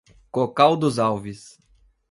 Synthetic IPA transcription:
kokawd̪ʊzawvis

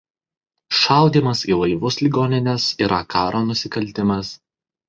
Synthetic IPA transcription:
ʃɐˑʊd̪ʲiːmɐsiːlˠɐɪʋʊslʲiɡoːnʲɪnʲɛsiːɾʔɐkɑːɾoːnʊsʲɪkɐlʲˑt̪ʲɪmɐs

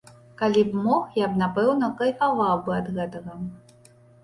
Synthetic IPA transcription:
kalʲibmɔxjabnapɛwnɐkɐjʲkavawbɨɐd̪ɣɛt̪ɐɣɐ

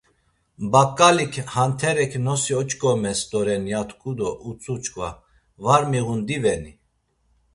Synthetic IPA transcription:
bakʼːalikʰhant̪ʰɛɾɛkʰnɔsiɔt͡ʃkʼɔmɛst̪ɔɾɛnjat̪ʰkʰʼud̪ɔʔut͡sʼut͡ʃʼkʼva̰ | vaɾmiɣund̪ivɛni

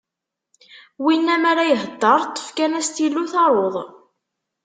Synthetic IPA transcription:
winːæmæɾæjəɦəd̪ˤːɑɾˤt̪ˤːə̥fkænæst̪ilːuθɑɾˤoðˤ

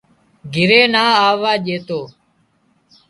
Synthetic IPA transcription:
ɡʱɪɾeːnaːaːʋaːʄeːt̪oː

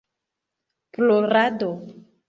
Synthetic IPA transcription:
ploɾado

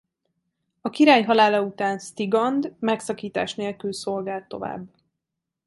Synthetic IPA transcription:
ɒkiɾaːjɦɒlaːlɒut̪aːnst̪iɡɒnd̪mɛksɒkiːt̪a̰ːʃneːlkylso̞lɡaːlt̪ːo̞va̰ːbː

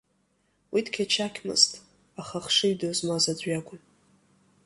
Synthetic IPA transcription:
wʔitʰkʲʰat͡ʃʰakʲʰmɨ̰ztʼ | aχaχʂɨjdozmazad͡zʷɥakʷʼʊn

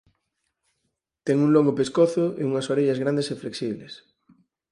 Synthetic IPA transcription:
t̪ɛŋuŋloŋɡopeskoθʊḛuŋasoɾeʎazɣɾãnd̪esefleksiβ̞les

